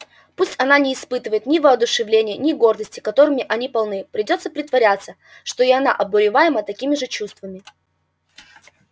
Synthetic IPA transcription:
pusʲtʲɐnanʲɪːspɨt̪ɨvəjɪt̪nʲɪvəɐd̪ʊʂɨvlʲenʲɪjənʲɪɡo̞rd̪əsʲtʲɪ̥kɐt̪o̞ɾɨmʲɪʔɐnʲipɐlˠnɨpɾʲɪdʲo̞t̪səpɾʲɪt̪vɐɾʲat̪sːə | ʂt̪o̞iɐna̰ʔɐbʊɾʲɪvajɪmət̪ɐkʲimʲɪʐɨt͡ɕust̪vəmʲɪ

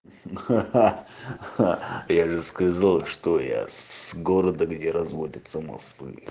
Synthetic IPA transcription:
jaʐɨskɐzalˠʂt̪oja̰sɡoɾəd̪əɡdʲeɾɐzvodʲət̪səmɐ̰skvvɨ̰

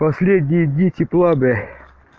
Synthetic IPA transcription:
pɐsʲlʲed̪ʲnʲijd̪ʲnʲit̪ʲiplˠabɛ

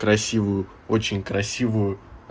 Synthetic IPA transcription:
kɾɐsʲivʊjʊ | ot͡ɕɪnʲkɾɐsʲivʊjʊ

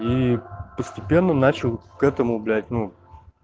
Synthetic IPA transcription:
ipəsʲtʲɪpʲe̞nːənat͡ɕɪlˠkɛt̪əmʊblʲæt̚ʲnu

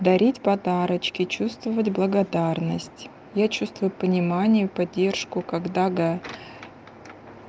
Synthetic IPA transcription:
d̪ɐɾʲitʲpɐd̪aɾət͡ɕkʲɪt͡ɕust̪vəvətʲblˠəɡɐd̪arnəsʲtʲ | jat͡ɕust̪vʊjʊpənʲɪmanʲɪjʊpɐdʲːe̞rʂkʊkɐɡd̪aɡa

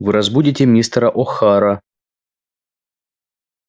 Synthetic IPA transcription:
vɨɾɐzbudʲɪtʲɪmʲnʲist̪ɾɐʔɔxaɾɐ

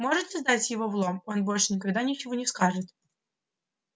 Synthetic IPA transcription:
mo̞ʐɨt̪sʲɐzd̪atʲjɪvovlˠoo̞nbo̞lʲʂɨnʲɪkɐɡd̪anʲɪt͡ɕɪvonʲɪskaʐɨt̪

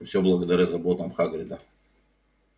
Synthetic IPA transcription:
fsʲoblˠɐɡəd̪ɐɾʲazɐbot̪əmxaɡɾʲɪd̪ə

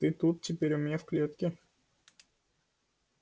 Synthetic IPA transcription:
t̪ɨt̪ut̪̚tʲɪpʲeɾʲʊmʲnʲafklʲet̪kʲɪ

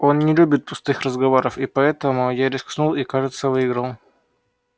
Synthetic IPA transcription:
o̞nnʲɪlʲubʲɪt̪̚pʊ̥st̪ɨxrəzɡɐvoɾəfipɐɛt̪əmʊjaɾʲɪsksnulˠikaʐɨt̪səvɨːɡɾəlˠ

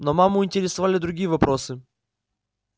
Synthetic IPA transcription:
nomamːʊɪnʲtʲɪɾʲɪsɐvalʲɪd̪ɾʊɡʲijəvɐpɾosɨ

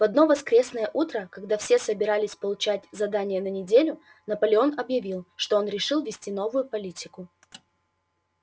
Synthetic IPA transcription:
vɐd̪̚no̞vɐskɾʲe̞snəjəʔut̪ɾəkɐɡ̚d̪afsʲe̞səbʲɪɾalʲɪsʲpəlˠʊt͡ɕætʲzɐd̪anʲɪjənənʲɪdʲelʲʊ | nəpəlʲɪo̞nɐbjɪvʲilˠʂt̪o̞onɾʲɪʂɨlˠvʲɪsʲtʲino̞vʊjʊpɐlʲitʲɪkʊ

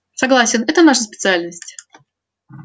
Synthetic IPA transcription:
sɐɡlˠasʲɪnɛt̪ənaʂəs̬pʲɪ̥t̪sɨalʲnəsʲtʲ

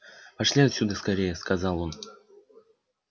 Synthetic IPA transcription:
pɐʂlʲiɐt̪ʲsʲud̪əskɐɾʲejəskɐzɑlˠo̞n

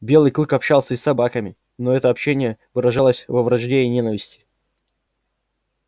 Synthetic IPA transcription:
bʲe̞lˠɨjklˠɨkɐpɕːalˠsʲəisːɐbakəmʲɪ | noɛt̪əɐpɕːenʲɪjəvɨɾɐʐalˠəsʲvəvɾɐʐdʲeɪnʲe̞nəvʲɪsʲtʲɪ̥

